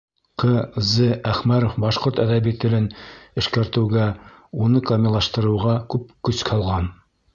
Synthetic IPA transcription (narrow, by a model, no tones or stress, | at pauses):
qɤzɘæχmæɾofbɑʃqoɾt̪æðæβit̪ɘ̆lɘnɘ̆ʃkæɾt̪ɘ̆wɡæunɤkɑmʲɪlˠɑʃt̪ɤ̆ɾɤ̆wʁɑkʉp̚kɵ̆skhɑlˠʁɑn